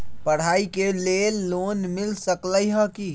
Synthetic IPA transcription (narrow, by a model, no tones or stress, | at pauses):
pəɽ̤aikelelːoːnmɪlsəkləjɦə̃ki